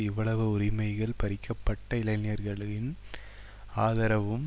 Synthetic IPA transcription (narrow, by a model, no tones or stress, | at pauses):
ɪʋːɐɭɐʋɯʊɾɪmɐɪɣɐɭpɐɾɪkʰːɐpːɐʈːɐɪlɐɪnɪjɐɾɣɐɭɪn | aːðɐɾɐʋɯm